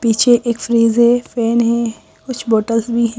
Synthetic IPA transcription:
piːt͡ʃʰeʔeːkfɾiːzɦɛ̃fɛːnɦɛ̃ | kʊt͡ʃʰboːʈəlsbʱiɦɛ̃

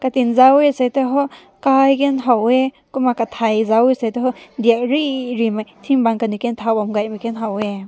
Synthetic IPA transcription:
katinzawesajteɦɔ | kajkenɦawe | kumakatʰajzawesajteɦɔdiak̚ɾiɾimajtʰiŋbaŋkanukentʰawbamɡajmikenɦawe

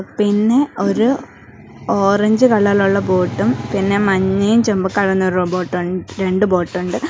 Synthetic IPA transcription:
pinːe̞o̞ɾu | oːrɐɲd͡ʑɨkɐɭːɐluɭːɐbo̞ːʈːumpinːe̞mɐɲːɐjumt͡ɕembɨkːɐɽɐnːoɾɐbo̞ːʈːuɳɖɨɾe̞ɳɖɨbo̞ːʈːuɳɖɨ

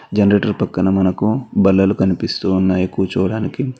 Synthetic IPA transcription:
d͡ʒɐnɐɾeːʈɐɾpɐkːɐnɐmɐnɐkubɐlːɐlukɐnipist̪uːnːaːjikːuːt͡ʃuːʋɐɽaːniki

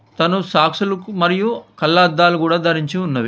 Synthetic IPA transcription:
t̪ɐnusaːkʂulɐkumɐɾijukɐlːɐɐd̪ːaːlukuːɽaːd̪ʱɐɾiɲt͡ʃiunːɐʋi

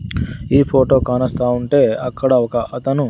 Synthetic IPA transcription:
iːpʰoːʈo̞ːkaːnɐst̪aːuɳʈe̞ːɐkːɐɽɐɔkɐʔɐt̪ɐnu

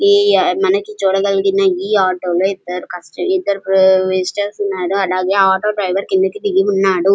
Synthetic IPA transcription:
mɐnɐkit͡ʃuːɽɐɡɐliɡinɐiːaːʈoːloːid̪ːɐɾukɐsʈɐid̪ːɐɾupʋisʈɐɾsunːaːɾuɐlaːɡeːaːʈoːɖɾɐjʋɐɾkind̪ukid̪iɡiunːaːɽu

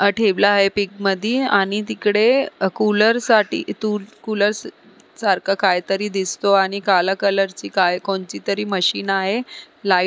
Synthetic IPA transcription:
əʈʰeʋlaːɦepik̚məd̪ʱiːaɽ̃it̪ikɽekuləɾsaʈḭːt̪ulkuləɾs | saɾkʰakajt̪əɾiːd̪ist̪oaɽ̃ikalakələɾt͡ɕiːkajkoɳt͡ɕit̪əɾiːməɕiːnaɦe | lai

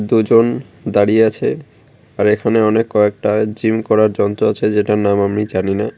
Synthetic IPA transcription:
d̪ud͡ʑon | d̪aɽieat͡ɕʰe | aɾekʰaneɔnekːɔek̚ʈad͡ʑimkɔɾaɾd͡ʑɔnt̪ɾoat͡ɕʰed͡ʑeʈanamamnid͡ʑanina

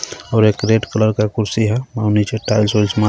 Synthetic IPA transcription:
ɔʊɾekɾeɖkələɾkakuɾsiɦɛmawnit͡ʃeʈajlsolsma

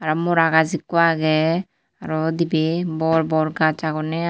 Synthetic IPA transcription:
aɾamoɾaɡazikːuaɡɛ | aɾɔd̪ibebɔɾbɔɾɡat͡ʃaɡɔnɛ

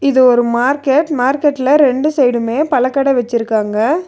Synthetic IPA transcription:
ɪðɯɔɾɯmaːɾkeʈmaːɾkɛʈːɪlɐɾɛɳɖɯsɛjɽɯmeːpɐlɐkːɐɽɐʋɛt͡ʃːɪɾɯkːaːŋɡɐ

